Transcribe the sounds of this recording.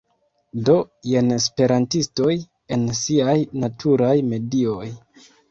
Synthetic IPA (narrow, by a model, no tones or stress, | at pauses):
do̞je̞nespe̞ɾantisto̞j | e̞nsiajnatʰuɾajme̞dio̞j